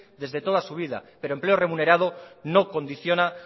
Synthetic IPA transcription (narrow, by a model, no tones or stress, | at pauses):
d̪e̞zðe̞t̪o̞ðasuβ̞iða̰peɾoempleo̞re̞mune̞ɾað̞o̞no̞ko̞nd̪iθjo̞na